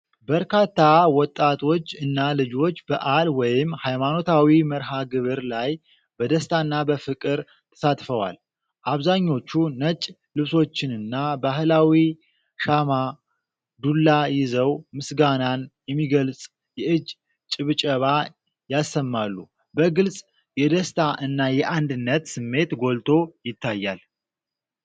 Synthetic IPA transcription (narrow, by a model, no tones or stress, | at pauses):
bəɾkat̪ːawɔt̪ʼːat̪ʰo̞t͡ʃːɨnːalɨd͡ʒo̞t͡ʃːbəʔalwɔjɪmhajmano̞t̪ʰawiməɾɦaɡɨβɨɾlaj | b̥əd̪əst̪ʰanːabəfɨkʼɨɾ | t̪ʰə̥sat̪fəwa̰l | ʔaβzaɲːo̞t͡ʃːunət͡ʃʼ | lɨβso̞t͡ʃːɪnɨnːabaɦɨlawi | ʃama | d̪ulːajɪzəwmɨsɡananjɛmːiɡəlsʼ | jɛʔɨd͡ʒ | t͡ʃʼɨβɨt͡ʃʼəβa | jasːəmːalːu | bəɡɨlsʼ | jɛd̪əst̪ʰaʔɨnːajɛʔand̪ɨnːət̪sɨmːe̞t̪ɡo̞lt̪ʰo̞jɪt̪ʰːajːal